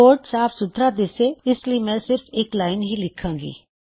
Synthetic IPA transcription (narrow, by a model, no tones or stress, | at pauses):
oːɾʈsaːfsʊt̪ɾad̪eːseɪsliemɛ̃sɪɾfeːklaːɪnɦilɪkʰãːɡḭː